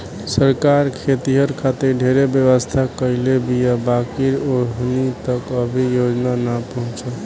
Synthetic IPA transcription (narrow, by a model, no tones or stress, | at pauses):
səɾkaɾkʰet̪iɦəɾkʰat̪iɾɖʱeɾebjəβəst̪ʰakəɪlebijabakiɾoɦnit̪əkəbʱijod͡ʒnanəpəɦũt͡ʃəl